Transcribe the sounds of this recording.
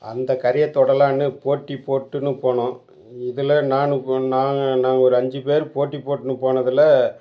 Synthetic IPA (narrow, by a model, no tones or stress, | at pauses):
ɐ̰nd̪ɐkɐɾɪjɐt̪ːɔɽɐlaːnɯpoːʈːipoːʈːɯnɯpoːɳõː | ɪðɯlɐnaːnɯnaːnaːŋɡɐɔɾɯɐɲd͡ʒɯpeːɾpoːʈːipːoːʈːɯnɯpoːɳɐðɯlɐ